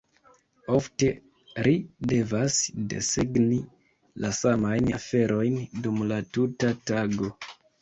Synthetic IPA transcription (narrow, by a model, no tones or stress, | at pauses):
o̞fte̞ | ɾide̞vasde̞̰seɡni | lasamajnafe̞ɾʔo̞jndumlatutataɡo̞